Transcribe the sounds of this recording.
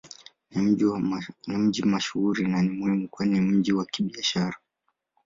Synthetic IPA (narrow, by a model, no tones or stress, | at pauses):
ni | nim̩ʄimaʃuhuɾinanimuhimukwanim̩ʄiwakiɓiaʃaɾa